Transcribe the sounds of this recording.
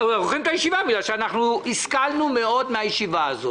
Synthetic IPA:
aʁoχimt̪ajiʃivabiɡlalʃeanaχnuiskalnumeod̪meajiʃivaːzot

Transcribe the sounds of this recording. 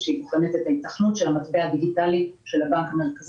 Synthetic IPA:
ʃeibuχenet̪et̪ait̪aχnut̪ʃe̞lamat̪bead̪iɡitaliʃe̞labaŋkameʁkaz

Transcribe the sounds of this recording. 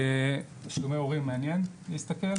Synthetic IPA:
e | ʃɡameoʁimːeanjen | liːst̪ɐkel

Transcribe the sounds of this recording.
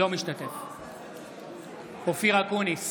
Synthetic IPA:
omiʃt̪at̪ef | ofiʁakunis

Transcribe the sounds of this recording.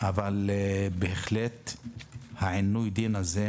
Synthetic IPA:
avalbeeχlet̪ | haʕinujd̪inaze

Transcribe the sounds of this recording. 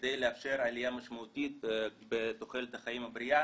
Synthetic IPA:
d̪ejleafʃe̞ɾalijamaʃmaut̪it̪̚bet̪oχelet̪haχajimabɾia

